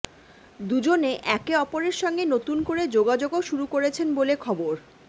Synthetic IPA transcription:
d̪ud͡ʑoneʔɛkeɔpoɾeɾʃɔŋɡenot̪unkoɾed͡ʑoɡad͡ʑoɡoʃuɾukoɾet͡ɕʰenbolekʰɔboɾ

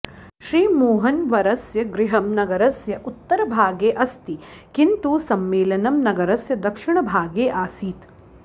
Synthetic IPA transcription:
ʃɾiːmoːɦɐnʋɐɾɐsjɐɡɾɪɦɐmnɐɡɐɾɐsjɐʔut̪ːɐɾɐbʱaːɡeːʔɐst̪ikint̪usɐmːeːlɐnɐmnɐɡɐɾɐsjɐd̪ɐkʂiɳɐbʱaːɡeːʔaːsiːt̪

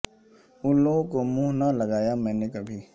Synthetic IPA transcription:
ʊlõkomũɦnalɐɡaːjamɛ̃ːnekɐbʱiː

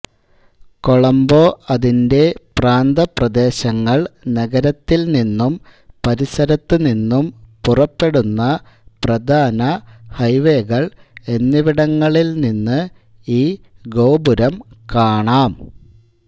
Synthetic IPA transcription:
ko̞ɭɐmbo̞ːɐðinde̞praːnd̪ɐprɐd̪e̞ːɕɐŋːɐɭnɐɡɐɾɐt̪ːilninːum | pɐɾisɐɾɐt̪ːɨninːumpurɐpːe̞ɽunːɐ | prɐd̪ʱaːnɐhɐjʋeɣɐɭe̞nːiʋiɽɐŋːɐɭilninːɨ | iːɡo̞ːbuɾɐmkaːɳaːm

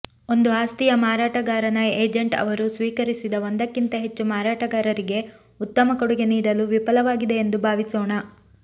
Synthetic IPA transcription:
o̞nd̪uaːst̪ijɐmaːɾaːʈɐɡaːɾɐnɐeːd͡ʒeɳʈɐ̰ʋɐɾusʋiːkɐɾisid̪ɐond̪ɐkːint̪ɐɦe̞t͡ʃːumaːɾaːʈɐɡaːɾɐɾiɡe̞ | ut̪ːɐmɐkoɽuɡe̞niːɽɐluʋipɐlɐʋaːɡid̪e̞ːnd̪ubʱaːʋisɔːɳɐ

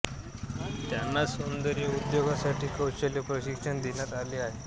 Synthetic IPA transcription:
t̪janːasond̪əɾiəud̪joɡasaʈʰiːkəwɕəljəpɾəɕikʂəɳd̪eɳjat̪aliːaɦe

